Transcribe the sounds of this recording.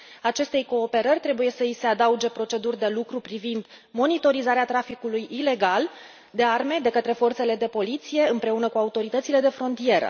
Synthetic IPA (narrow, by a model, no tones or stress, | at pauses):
at͡ʃe̞st̪e̞jko̞ːpe̞ɾərʲt̪ɾe̞buje̞səise̞ad̪aud͡ʒe̞pɾo̞t͡ʃe̞d̪urʲd̪e̞lukɾupɾivind̪ | mo̞nit̪o̞ɾizaɾeat̪ɾafikulujʔile̞ɡal | d̪e̞arme̞d̪e̞kət̪ɾe̞fo̞rt̪se̞le̞d̪e̞po̞lit̪sije̞ɨmpɾe̞unəkuaut̪o̞ɾit̪ət̪sile̞d̪e̞fɾo̞nt̪ije̞ɾə̰